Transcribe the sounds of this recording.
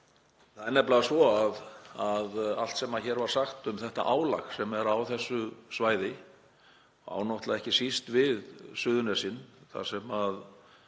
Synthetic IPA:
θaðɛɾnɛplaasvɔaðaðal̥t̪sɛmaðçɛːɾvaɾ̥saxt̪ʏmθɛht̪a̰ʔaːwla̰xsɛmɛɾawθɛsːʏsvaːjðɪ | a̰ːwnɔt̪laðɛhcɪsist̪vɪðsʏːðʏnɛsɪnθa̰sɛmað

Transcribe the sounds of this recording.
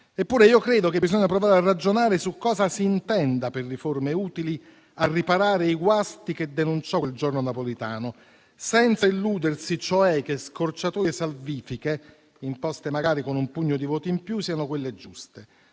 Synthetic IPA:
epːuːɾeiːokɾeːd̪ok̟ebizoɲːapɾovaːɾearːad͡ʒonaːɾesukːɔːzasiːnt̪ɛnd̪aperːiformeuːt̪ili | arːipaɾaːɾeiɡwast̪ik̟ed̪ːenunt͡ʃɔeld͡ʒornonapolit̪aːno | sɛnt̪sailːuːd̪ersit͡ʃɔɛk̟ːeskort͡ʃat̪uːesalviːfike | impɔst̪emaɡaːɾikonumpuɲːod̪ivɔːt̪iimpjusiːanokwelːed͡ʒust̪e

